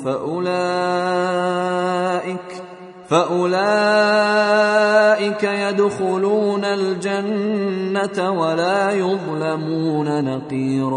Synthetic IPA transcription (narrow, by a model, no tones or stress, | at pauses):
aʔʊlaː | ʔɪ | faʔʊlaː | ʔɪkajad̪xʊluːnald͡ʒanːat̪awalaːjʊðˤlamuːnanɑqiːɾɑ